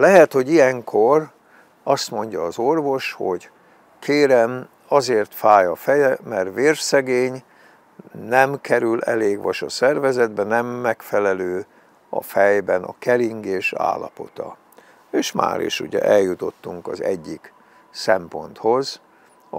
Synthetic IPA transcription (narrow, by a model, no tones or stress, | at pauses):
lɛɦɛt̪ho̞ɟijɛŋkʰor | ɒst̪mo̞ɲɟɒːzo̞rvo̞ʃho̞ɟ | kʰeːɾɛm | ɒzeːrt̪faːjɒfɛjɛmɛrʋeːrʃsɛɡeːɲ | nɛmkɛɾylɛ̰leːɡʋɒʃɒsɛrvɛzɛd̪bɛnɛmːɛkfɛlɛløː | ɒ̰fɛjbɛnɒ̰kɛliŋɡeːʃa̰ːlːɒpo̞t̪ɒ | eːʃma̰ːɾḛːʃṵɟɛ̰ʔɛljːut̪o̞t̪ːuŋkɒzɛ̰ɟːik | sɛmpo̞nt̪ho̞z